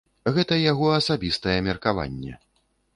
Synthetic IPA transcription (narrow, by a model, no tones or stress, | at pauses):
ɣɛt̪ɐjaɣɔɐsabʲist̪ɐjɛmʲɛrkava̰nʲːɛ̰